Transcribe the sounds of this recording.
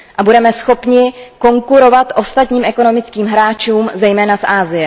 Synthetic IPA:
ʔabudɛmɛsxo̞pɲɪko̞ŋkuɾo̞vat̪ʔo̞st̪at̪ɲiːmʔɛko̞no̞mɪt͡skiːmɦɾaːt͡ʃuːmzɛjmɛːnasʔaːzɪjɛ

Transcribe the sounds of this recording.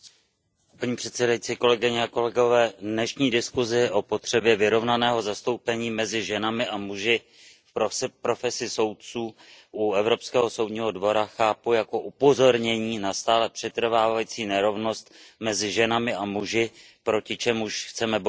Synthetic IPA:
paɲiːpr̥ɛt̪sɛdajit͡siːko̞lɛɡɪɲɛako̞lɛɡo̞vɛːdnɛʃɲiːdɪskuzɪʔo̞po̞t̪r̝̥ɛbjɛvɪɾo̞vnanɛːɦo̞zast̪o̞wpɛɲiːmɛzɪʒɛnamɪʔamuʒɪ | fpɾopɾo̞fɛsɪso̞wt̪̚t͡suː | ʔuɛvɾo̞pskɛːɦo̞so̞wdɲiːɦo̞dvo̞ɾaxaːpujako̞ʔupo̞zo̞ɾɲɛɲiːnast̪aːlɛpr̥ɛt̪r̩vaːvajit͡siːnɛɾo̞vno̞st̪mɛzɪʒɛnamɪamuʒɪ | pɾo̞cɪt͡ʃɛmuʃxt͡sɛmɛb

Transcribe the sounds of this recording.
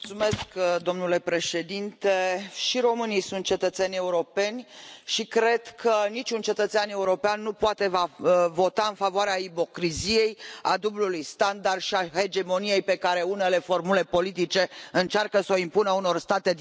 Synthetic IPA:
t̪sume̞skd̪o̞mnule̞pɾe̞ʃe̞d̪int̪eʃiɾo̞mɨnijsunt̪̚t͡ʃe̞t̪ət̪senʲe̞uɾo̞pe̞nʲʃikɾe̞d̪̥kʰənit͡ʃunt͡ʃe̞t̪ət̪seane̞uɾo̞peanːupoat̪e̞vavo̞t̪aɨnfavoaɾeaipo̞kɾizije̞jad̪ublulujst̪and̪ard̪ʃiahe̞d͡ʒe̞mo̞nije̞jpe̞kaɾe̞une̞le̞fo̞rmule̞po̞lit̪̬it͡ʃe̞ɨnt͡ʃarkəsoimpunəuno̞rst̪at̪e̞

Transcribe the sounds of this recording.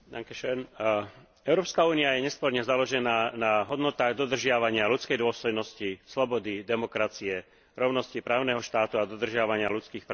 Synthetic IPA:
d̪aŋkɛʃɛn | ɛʊɾɔːpskauːniajɛɲɛspɔɾɲɛzalɔʒɛnaːnaɦɔd̪nɔt̪aːɣd̪ɔd̪r̩ʒɪaʋaɲɪalut͡skɛjd̪ʊɔst̪ɔjnɔscislɔbɔd̪id̪ɛmɔkɾat͡siɛ | ɾɔʊnɔscipɾaːʊnɛːɦɔʃt̪aːt̪uad̪ɔd̪r̩ʒɪaʋaɲɪalut͡skiːxpɾ

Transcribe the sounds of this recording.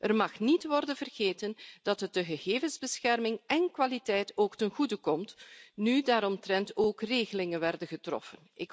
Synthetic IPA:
ʔərmɑxnitʋɔrdənvərɣeːtənd̥ɑtɦət̚dəɣəɣeːvənzbəsxɛrmɪŋɛnkwalitɛjtoːktənɣudəkɔmtnydaːɾɔmtrɛntoːkreːɣəlɪŋənʋɛrdənɣətrɔ̰fənʔɪk

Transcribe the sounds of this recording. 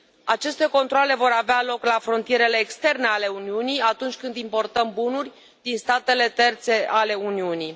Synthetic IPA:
at͡ʃe̞st̪e̞ko̞nt̪ɾoale̞vo̞ɾavealo̞klafɾo̞nt̪ije̞ɾe̞le̞ːkst̪e̞rne̞ale̞uniunijat̪unt͡ʃʲkɨnd̪impo̞rt̪əmbunurʲ | d̪inst̪at̪e̞le̞t̪e̞rt̪se̞ʔale̞uniuni

